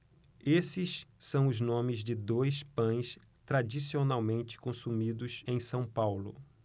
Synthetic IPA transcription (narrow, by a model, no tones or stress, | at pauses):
esɪssɐ̃w̃ʊznõmɪzd͡ʒɪd̪ojspɐ̃j̃s | t̪ɾad͡ʒisionawmẽnt͡ʃɪ̥kõsumid̪ʊsẽj̃sɐ̃w̃pawlʊ̰